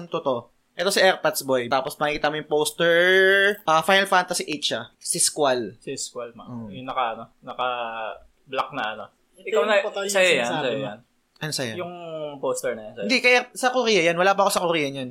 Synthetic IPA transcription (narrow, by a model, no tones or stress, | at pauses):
ɐŋt̪ot̪o̞ | ʔɛt̪osɐʔɛɾpɐt̪sbojt̪aːposmɐɪkiːt̪ɐmojʊŋpoːst̪ɛɹʔɐfajnɐlfant̪ɐsiʔɛt͡ʃɐsɪskwalsɪskwalmaʔojʊŋnɐkɐɐnonɐkɐ | blak̚nɐʔɐno | ɪawnɐsɐjojansɐjojan | ʔɐnosɐjajʊŋpoːst̪ɛɹnɐjansɐɪnd̪ikɐjasɐkʊɾijɐjanwɐlaːpɐʔɐkosɐkʊɾiːjɐɲan